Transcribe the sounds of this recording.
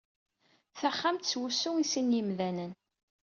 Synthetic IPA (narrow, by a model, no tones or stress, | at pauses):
θaχːamt̪swusːʊisinjəmðænən